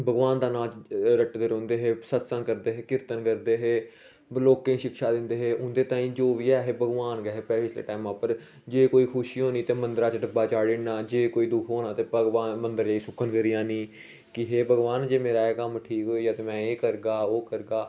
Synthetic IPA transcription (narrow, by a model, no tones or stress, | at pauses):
bʱəɡʋaːnd̪aːnãːt͡ʃɾəʈːd̪eːɾõːnd̪eːɦeːsət̪sãːkəɾd̪eːɦeːkɪɾt̪ənkəɾd̪eːɦeː | loːkẽːĩʃɪkʃaːd̪ɪnd̪eːɦeːʊnd̪eːt̪ãːĩːd͡ʒoːʋiːɛːɦeːbəɡʋaːnɡɛːɦeːpɛʋɪslḛːʈaːimãːpəɾ | d͡ʒeːkoːiːkʰʊʃioːniːt̪eːmənd̪əɾaːt͡ʃɖəbaːt͡ʃaːɽɪnaːd͡ʒeːkoːiːd̪ʊkʰɦoːnãːt̪eːpəɡʋaːnmənd̪əɾd͡ʒaiːsʊkʰːənkəɾijãːniː | kɪɦeːbəɡʋaːnd͡ʒeːmeːɾaːɛːkəmʈʰiːkɦoːijaːt̪eːmɛ̃ːeːkəɾɡaːoːkəɾɡaː